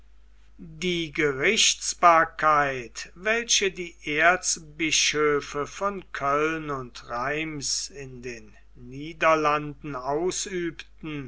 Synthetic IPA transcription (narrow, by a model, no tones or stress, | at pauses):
diːɡəʁɪʃtsb̥aːɐkʰaɪtvɛlʃədiːʔeɐsbɪʃøːfəfɔnkʰœlnʊntʁaɪmsɪndeːnː | iːdɐlandn̩aʊsyːptn̩